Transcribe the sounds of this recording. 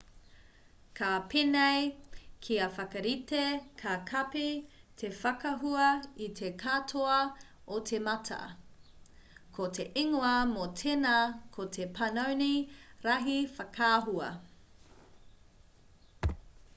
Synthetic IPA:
kʰapʰenejkʰiɐfɐkɐɾitekʰakʰɐpitʰefɐkɐɦuɐitʰekʰatʰoɐ | otʰemɐtʰɐ̰ | kʰotʰeʔiŋoɐmotʰenɐkʰotʰepʰɐnɐwniɾɐɦifɐkʰaːɦuɐ̰

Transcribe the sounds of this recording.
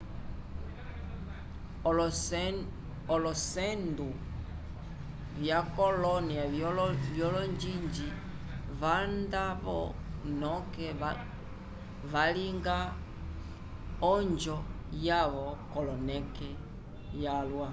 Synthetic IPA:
ɔlɔsɛndu | βjakɔlɔniavjɔlɔɲd͡ʒiɲd͡ʒi | βandaβɔ̰nɔkɛ | ʋaliŋɡa | ɔɲd͡ʒɔ | jaβɔkɔlɔnɛkɛ | jalwa

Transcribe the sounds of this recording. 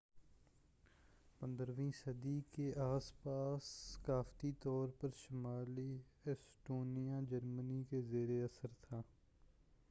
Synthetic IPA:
pə̃nd̪əɾʋĩːsəd̪iːkeʔaːspaːsːkaːft̪it̪ɔːɾpəɾʃəmaːliːɛsʈoːnijãːd͡ʒəɾmənikezeːɾeɐsəɾt̪ʰaː

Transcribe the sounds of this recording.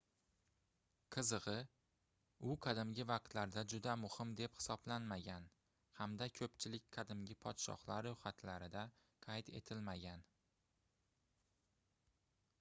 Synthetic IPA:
qʰɨzɨʁɨ | ʊqʰɑd̪ɪmɡʲɪvɑq̚t̪laɾd̪ad͡ʒʊd̪amʊhɪmd̪e̞phɪ̥sɒblanmaɡʲan | hamd̪akʲʰɵpt͡ʃʰɪlɪkʲqʰɑd̪ɪmɡʲɪpʰɒt̪ʃɒ̰hlaɾːohat̪ʰlaɾɪd̪a | qʰajt̪e̞̰t̪ʰɪlmaɡʲan

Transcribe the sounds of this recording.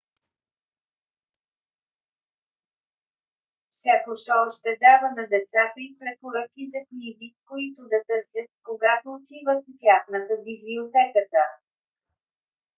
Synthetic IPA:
fsʲakoʃt̪ɔʃt̪ɛd̪avənɐd̪ɛt̪sat̪əipɾɛpoɾəkizɐknivikoit̪ʊd̪ɐt̪ɤɾsʲjət̪̚koɡat̪oːt̪ivət̪t̪ʲjaxnət̪əbibliot̪ɛkət̪ə

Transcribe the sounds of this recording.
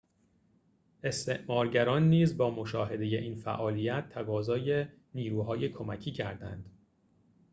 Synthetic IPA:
e̞st̪e̞ʔmɒːɾɟæɾɒːnːiːzbɒːmo̞ʃɒːɦe̞d̪e̞je̞ʔiːnfæ̰ʔɒːlijæt̪ʰːæɡɒːzɒːje̞ | niːɾuːɦɒːje̞kʰo̞mæcʰiːcʰæɾd̪æ̰nd̪̥

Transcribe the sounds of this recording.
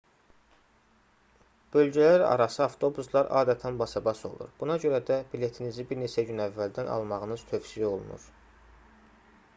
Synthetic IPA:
b̥ø̞lɟælæɾɑ̰ɾɑsɯɑft̪ʰo̞buslˠɑɾʔɑ̰ːd̪æt̪ʰænbɑsɑbɑso̞̰lˠṵɾb̥unɑɟø̞ɾæd̪æbile̞t̪ʰinizibiɾnet͡ʃʰæɟynævːæld̪ænʔɑ̰lˠmɑʁɯnɯz̥t̪ʰø̞fsijio̞lˠṵnṵɾ

